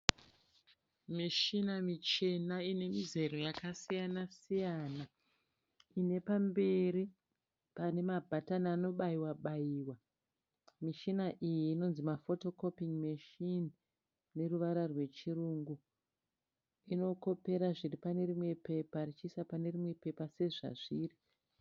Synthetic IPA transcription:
miʃinamit͡ʃe̞naine̞mize̞ɾo̞jakasijanasijaːna | ine̞pambe̞ɾi | pane̞mabʱatanano̞ɓaiwaɓaiːwa | miʃinaʔijiːno̞nzimafo̞to̞ko̞piŋmiʃin | ne̞ruʋaɾarwe̞t͡ʃiruŋɡu | ino̞ko̞pe̞ɾaʐiripane̞rimwe̞pe̞parit͡ʃiːsapane̞rimwe̞pe̞pase̞ʐa̰ʐiːri

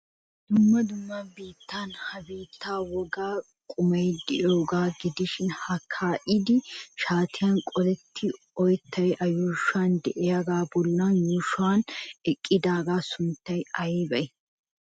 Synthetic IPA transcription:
d̪̥ʊmːɐd̪ʊmːabiːt̪ːaːnhɐbiːt̪ːaːwɔɡaː | kʼʊmɐjd̪ɪʔoːɡaːɡɪd̪ɪʃɪnhɐkʰːaːʔɪd̪ɪʃaːt̪ʰɪjaːnkʼɔlɛt̪ʰːɪ | ɔjt̪ʰːɐjʔɐjuːʃaːnd̪ɛʔɛjɐɡaːbɔlːaːnjuːʃʊaːnɛkʼːɪd̪aːɡaːsʊnt̪ːɐjɐjiːbɐjɪ

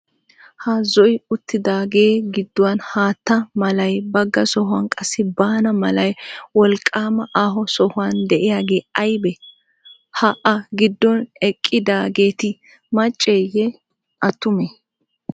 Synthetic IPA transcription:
hɐzɔjɪʊt̪ːɪd̪aːɡe̞ːɡɪd̪ːɔwɐnhaːt̪ːɐmɐlɐjbɐɡːɐsɔɦwɐnkʼɐsːɪbaːnɐmɐlɐjwɔlkʼːaːmɐʔaːɦɔsɔhʊwand̪ɛʔɪjaːɡe̞ːɐjbɛ | hɐʔɐɡɪd̪ːɔnɛkʼːɪd̪aːɡe̞ːt̪ɪ | mɐt͡ʃʼːejɛ | ʔɐt̪ːʊmɛ

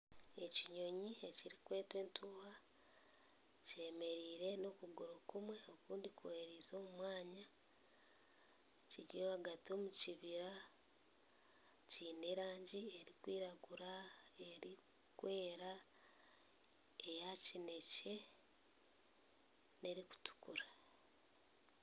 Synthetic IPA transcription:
e̞ciɲo̞ɲie̞ciɾikwe̞ːtwe̞ːntuːha | ce̞me̞ɾiːɾe̞no̞kuɡuɾokumwe̞o̞kuːndikuweɾizo̞ːmumwaːɲa | ciɾjoaɡatio̞muciβiɾa | ciːneɾaːɲɟie̞ɾikwiːɾaɡuɾae̞ɾi | kwe̞ːɾa | ejacine̞ce̞ | ne̞ɾiku̥tu̥kuɾḁ

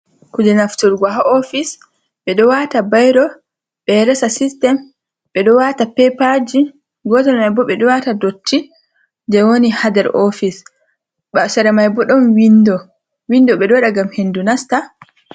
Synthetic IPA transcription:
kud͡ʒɛnaftuɾɡaɦaʔofis | ɓɛɗɔwatabajɾɔ | ɓɛɾɛsasistɛm | ɓɛɗɔwatapɛpad͡ʒi | ɡɔtɛɾmajbɔɓɛɗɔwatadotʰːi | d͡ʒɛwonihadɛɾʔofis | ɓasɛɾɛmajbɔɗɔnwindɔ | windɔɓɛɗɔɗaɡamhendunasta

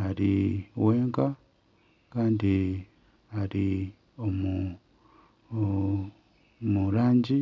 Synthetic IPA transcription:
aɾiweːŋka | kaːndi | aɾi | omu | muɾaːɲɟi

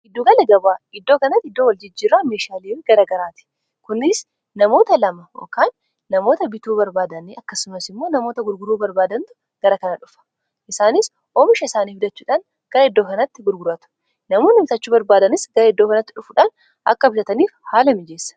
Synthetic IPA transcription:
ʔɪd̪ːuːɡɐlɐɡɐbaːɪd̪ːo̞ːkɐnɐt̪ːɪd̪ːoːwɐld͡ʒɪd͡ʒːiːɾaːmeːʃaːliːfɡɐɾɐɡɐɾaːt̪ɪ̥ | kʊnɪs | nɐmo̞ːt̪ɐlɐmɐjo̰ːkaːnː | ɐmo̞ːt̪ɐbɪt̪uːbɐɾbaːd̪ɐnɪɐkːɐsʊmɐsɪmːo̞ːnɐmo̞ːt̪ɐɡʊɾɡʊɾuːbɐɾbaːd̪ɐnt̪ʊ̥ | ɡ̥ɐɾɐkɐnɐᶑʊfɐ̥ | ʔɪsaːnɪs | ʔoːmɪʃɐɪsaːniːfɪd̪ɐt͡ʃːuːᶑan | ɡ̥ɐɾɐɪd̪ːoːkɐnɐt̪ːɪɡʊɾɡʊɾɐt̪ʊ̥ | nɐmoːnɪfɪt̪ɐt͡ʃːuːbɐɾbaːd̪ɐnɪsɡɐɾɐɪd̪ːoːkɐnɐt̪ːɪᶑʊfʊᶑan | ʔɐ̰kːɐbɪt̪ɐt̪ɐniːfhaːlɐmɪd͡ʒe̞ːsːɐ̥

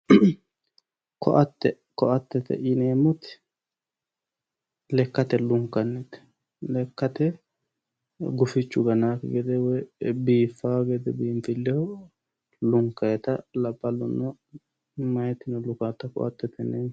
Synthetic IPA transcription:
kʰɔ̰ʔɐt̪ːɛ | kɔʔɐt̪ːɛt̪ɛ̰ʔɪneːmʊt̪ɪ̥ | lɛkːɐt̪ɛlʊŋkːɐnːɛt̪ | lɛkːɐt̪ɛ | ɡʊfɪt͡ʃːʊɡɐnaːkɡɛd̪ɛwɔjbiːfːaɡɛd̪ɛbiːmfɪlːɛhɔ | lʊŋkːɐjɛt̪ɐlɐbʼːɐlʊnːɔ | mɐjɛt̪ːɪnɔlʊkaːt̪ːɐkɔ̰ʔɐ̰t̪ːɛt̪ɛneːm

